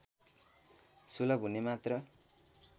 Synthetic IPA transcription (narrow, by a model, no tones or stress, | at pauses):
sulʌbʱunemat̪rʌ